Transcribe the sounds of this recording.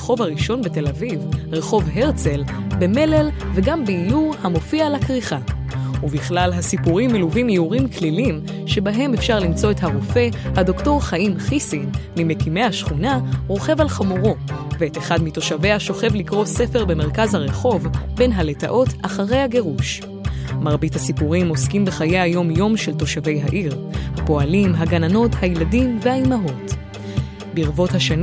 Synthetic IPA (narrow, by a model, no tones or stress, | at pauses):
eχo̞vaʁiʃo̞nbe̞te̞lavivʁe̞χo̞vɦeʁt͡se̞lbe̞me̞le̞lve̞ɡambeijuʁhamo̞fiaːlakʁiχa | uviχlalɦasipuʁimːeluvimjeuʁimklilim | ʃe̞baɦe̞me̞fʃaʁlimt͡so̞ethaʁofe̞hado̞kto̞ʁχaʔimχisinmimekime̞jhaʃχunaʁo̞χe̞valχamuʁo̞veeteχadmito̞ʃave̞aʃo̞χe̞vlikʁo̞se̞fe̞ʁbe̞me̞ʁkazhaʁeχo̞vbe̞nɦale̞ta̰ʔo̞taχaʁe̞jhaɡe̞ʁuʃ | maʁbithasipuʁimo̞skimbeχajeajo̞mjo̞mʃelto̞ʃave̞jɦaʔiʁhapo̞alimɦaɡanano̞thajladimve̞haimaɦo̞t | biʁvo̞thaʃan